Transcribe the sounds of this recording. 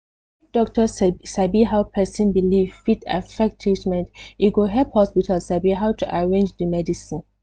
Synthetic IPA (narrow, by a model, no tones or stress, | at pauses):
idɔk̚təsabiɦaʊpʰɛsə̃nbilivfita̰fɛk̚tʰitmɛ̃ntiɡoɦɛphɔspitʰalsabiɦawtʰuʔaɹẽnd͡ʒdəmɛdisĩn